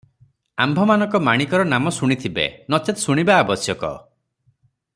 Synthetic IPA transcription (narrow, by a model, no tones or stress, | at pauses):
a̰mbʱɔmanɔ̃ŋkɔmaɽ̃ikɔɾɔnamɔsuɽ̃it̪ʰibḛnɔt͡ʃet̪suɽ̃ibaːbɔsjɔkɔ̰